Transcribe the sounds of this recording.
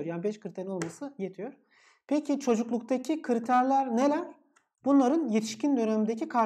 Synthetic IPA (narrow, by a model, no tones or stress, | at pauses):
oɾjaːnibɛʃkɯɾit̪ʰeɾino̞lˠmasɯjet̪ʰijoɾ | pʰecʰit͡ʃʰo̞d͡ʒuklˠuk̚t̪ʰacʰikʰɯɾit̪ʰæɾlʲæɾne̞lʲæɾ | b̥unlˠaɾɯnjet̪ʰi̥ʃcind̪ø̞neimd̪ecʰikʰa